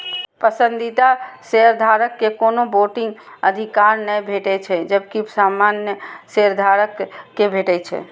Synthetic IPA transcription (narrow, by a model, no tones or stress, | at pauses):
pəsə̃nd̪it̪aseɾd̪ʱaɾəkːekonoboʈiŋɡəd̪ʱikaɾnəjbʱeʈɛt͡ʃʰɛd͡ʒəbkisamanjəseɾd̪ʱaɾəkːebʱeʈɛt͡ʃʰɛ̰